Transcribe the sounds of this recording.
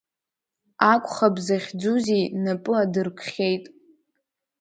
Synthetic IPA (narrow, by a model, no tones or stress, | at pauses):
akʷʼχabzaχʲd͡zuzijnapʼɨadɨrkʷʰχʲe̞jtʼ